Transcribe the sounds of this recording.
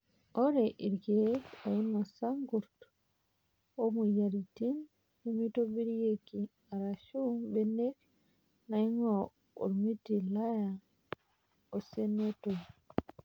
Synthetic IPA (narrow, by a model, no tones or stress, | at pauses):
ʔɔɾɛʔiɾɡɛɔjinːɔsaŋɡuɾt | ɔmujaɾitin | umitobiɾijeki | aɾaʃubɛnek | najŋɔ | ṵɾmitilaja | ɔsɛnːetɔ